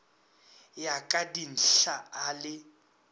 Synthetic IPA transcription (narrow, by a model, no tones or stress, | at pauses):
jakʼadin̩ɬaalɪ